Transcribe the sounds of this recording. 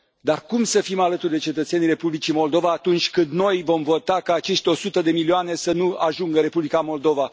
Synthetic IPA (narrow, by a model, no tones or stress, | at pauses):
d̪arkumsəfimalət̪urd̪et͡ʃe̞t̪ət̪se̞nire̞publit͡ʃimo̞ld̪o̞vaːt̪unt͡ʃʲkɨnd̪no̞jvo̞mvo̞t̪akaːt͡ʃe̞ʃt̪ʲeo̞sut̪əd̪e̞milioane̞sənuaʒuŋɡəɾe̞publikamo̞ld̪o̞va